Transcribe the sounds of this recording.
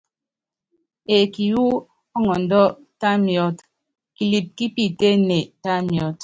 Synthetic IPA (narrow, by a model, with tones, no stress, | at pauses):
e˨ki˨ju˦ | ɔ˦ŋɔ˨n̩˨dɔ˦ | ta˦mjɔ˦t | ki˨li˨p̚ki˦pi˦te˦ne˨ta˦mjɔ˦t